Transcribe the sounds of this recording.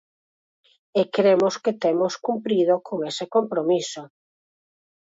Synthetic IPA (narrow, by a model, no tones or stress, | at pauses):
ekɾemosket̪emoskumpɾiðokoŋesɪkompɾomiso